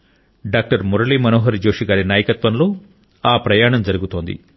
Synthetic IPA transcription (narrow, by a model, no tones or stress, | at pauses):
ɖaːk̚ʈɐɾmuɾɐliːmɐnoːɦɐɾd͡ʒoːʂiɡaːɾinaːjɐkɐt̪ʋɐmlo̞ː | aːpɾɐjaːɳɐmd͡ʒɐɾuɡut̪o̞ːnd̪ḭ